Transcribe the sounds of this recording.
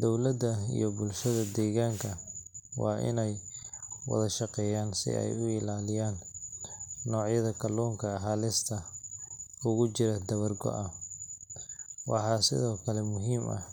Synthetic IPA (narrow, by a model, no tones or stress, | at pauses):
d̪ɔwlɐd̪ɐḭjɞbʊlʃɐðɐd̪ɛːɣaːŋkʰɐwɑ̰ːʔɪ̰nɛj | wɐ̰ðɐʃɑqɛːjaːnsɪ̰ʔɛ̰jʊɪlaːlɪjaːnː | ɔːʕjɐðɐkʰɐlɔːŋkʰɐɦaːlɪst̪ʰɐ | ʊɣʊt͡ʃɪɾɐd̪ɐβɐrɡɔ̰ʔɐ | wɑ̰ħɑːsɪ̰ðɔːkʰɐlɛmʊɦiːmʔɐ̰